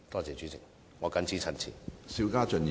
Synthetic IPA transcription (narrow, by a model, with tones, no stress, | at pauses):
t̪ɔː˥t͡sɛː˨˩t͡ʃy˨˥t͡sʰɪ˨˩ŋ̚ | ŋɔː˨˧kɐ˨˧nt͡sʰiː˨˥t͡sʰɐ˨˩nt͡sʰḭː˨˩siː˧wkaː˥t͡ʃɵ˨n˨